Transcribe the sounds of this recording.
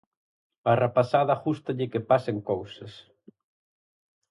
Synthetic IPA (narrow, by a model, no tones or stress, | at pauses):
arepasaðɐaxust̪ɐʎɪkɪpaseŋkowsɐs